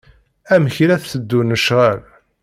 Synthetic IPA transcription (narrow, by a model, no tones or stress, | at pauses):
æməçɾæθθəd̪ːunəʃʁæl